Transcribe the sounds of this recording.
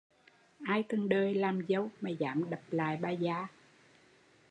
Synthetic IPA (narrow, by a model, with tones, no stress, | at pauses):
ʔaː˧jt̪ɨ˨˩ŋɗəː˧˩jlaː˨˩mzə˧˩wmaː˨˩zaː˧˦mɗə˨˩p̚la̰ː˨jɓaː˨˩zaː˧˦